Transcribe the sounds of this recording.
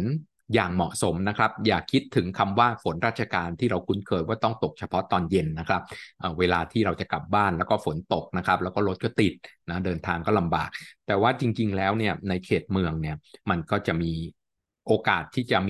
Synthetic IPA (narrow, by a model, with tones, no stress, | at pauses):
n | jaː˨˩ŋmɔ˨˩ʔso˩˦mna˦˥kʰɾa˦˥p̚jaː˨˩kʰːi˦˥t̪ʰːɯ˩˦ŋkʰa˧mwaː˥˩fo˨˩˦nɾaː˥˩t̪̚t͡ɕʰa˧kaː˧nt̪ʰiː˥˩ɾa˧wkʰu˦˥nkʰɤː˧jwaː˥˩t̪ɔ˥˩ŋt̪o˨˩k̚t͡ɕʰa˧pʰɔ˦˥t̪ɔː˧nje˧nːa˦˥kʰɾa˦˥p̚ʔəː˨˩weː˧laː˧t̪ʰiː˥˩ɾa˧wt͡ɕa˨˩ka˨˩p̚baː˥˩nlɛː˦˥wkɔː˥˩fo˩˦nt̪o˨˩k̚na˦˥kʰɾa˦˥p̚lɛ˦˥wkɔː˥˩ɾo˦˥t̪̚kɔː˥˩t̪i˨˩t̪̚na˦˥dɤː˧nt̪ʰaː˧ŋkɔː˥˩la˧mbaː˨˩k̚t̪ɛː˨˩waː˥˩t͡ɕi˧ŋt͡ɕi˧ŋlɛː˦˥wni˥˩ɐna˧jkʰeː˨˩t̪̚mɯ˧əŋni˥˩ɐma˧nkɔː˥˩t͡ɕa˨˩miː˧ | ʔoː˧kaː˨˩t̪ʰːiː˥˩t͡ɕa˨˩m